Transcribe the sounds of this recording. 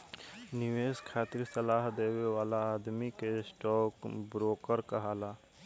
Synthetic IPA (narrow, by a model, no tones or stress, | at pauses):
nɪʋeːskʰaːt̪ɪɾsəlaːɦd̪eːwewaːlaːd̪mikesʈɔːkbɾoːkəɾkaɦaːlaː